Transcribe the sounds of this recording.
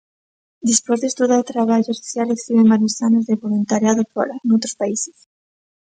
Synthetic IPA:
d̪ispozðest̪uðaɾt̪ɾaβ̞aʝoesi̥θjaleksiβemaɾisanazðeβolunt̪aɾjaðopɔ̰ɾanowt̪ɾospaise̥s

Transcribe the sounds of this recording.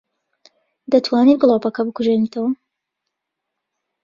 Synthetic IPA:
d̪ɐt̪ʰwaːnit̪ɡlˠoːpɐkɐbɨkuʒenit̪ʰɐwɐ

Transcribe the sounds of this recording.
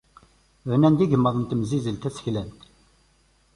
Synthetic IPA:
vnænd̪iʝəmːəðˤənt̪əmzizəlt̪æsə̥çlænt̪

